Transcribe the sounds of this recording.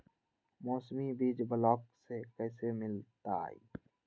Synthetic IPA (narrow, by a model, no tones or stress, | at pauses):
mɔːsmibiːd͡ʒbəlɔːksekɛːsemɪlt̪a̰ːḭː